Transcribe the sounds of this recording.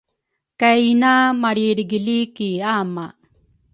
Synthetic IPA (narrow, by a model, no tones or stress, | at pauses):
kajnamaɽiɽɡilikiama